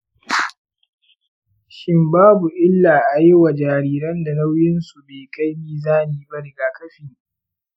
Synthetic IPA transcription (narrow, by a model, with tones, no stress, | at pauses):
ʃɪ˦mbaː˦bu˨ʔɪ˦lːaː˨ʔa˨jɪ˦wa˨d͡ʒaː˨ɾiː˦ɾɐ˦nda˨la˦wjɪ˦nsu˨beː˨ka˦jmiː˦zaː˦niː˨ba˦ɾɪ˨ɡaː˨kɐ˦ɸiː˨